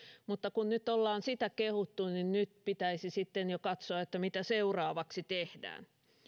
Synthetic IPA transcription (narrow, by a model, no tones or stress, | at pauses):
mut̪ːɑkunnyt̪ːˑolːɑːnsit̪ækehut̪ːuninnyt̪pit̪æisisit̪ːenjokɑt̪soɑet̪ːæmit̪æseurɑːʋɑksit̪ehdæ̰ːn